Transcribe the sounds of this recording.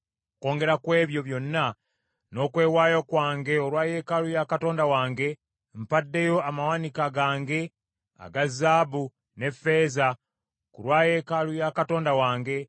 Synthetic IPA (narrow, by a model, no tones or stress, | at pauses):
ko̞ːŋɡe̞ɾakwe̞ːβjo̞βjo̞nːa | no̞ːkwe̞ːwaːjokwaːŋɡe̞oɾwaːje̞ːkalujakato̞ːndawaːŋɡe̞ | mpadːe̞jo̞amawanikaɡaːŋɡe̞ | a̰ɡazːaːbu | ne̞fːe̞ːza | kuɾwaːje̞ːkalujakato̞ːndawaːŋɡe̞